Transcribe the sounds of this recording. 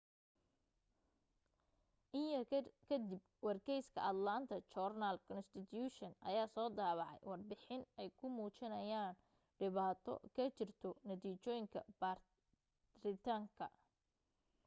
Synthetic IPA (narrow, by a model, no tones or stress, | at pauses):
ʔɪɐkʰɐd̪ɪb | wɑrkʰɛjskʰɐ̰ɐd̪laːnt̪ʰɐt͡ʃɔrnɐlkʰɔnst̪ɪt̪ʰjuːʃɔnʔɐ̰jaːsɔːd̪aːβɑʕɛ̰jwɑrbɪħɪnɛjkʰʊmuːt͡ʃɪnɐjaːn | ɖɪβaːt̪ʰɔ̰kʰɐt͡ʃɪrt̪ʰɔnɐt̪iːt͡ʃɔːjɪŋkʰɐ̰bar | rɪt̪ʰaːŋkʰɐ̰